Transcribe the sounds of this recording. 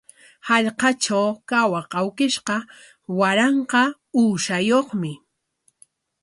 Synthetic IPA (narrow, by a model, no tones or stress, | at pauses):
hɑʎqɑt͡ʃawkawaqɑwkɪʃqɑ | waɾɑɴqɑ | uːʃajoχmɪ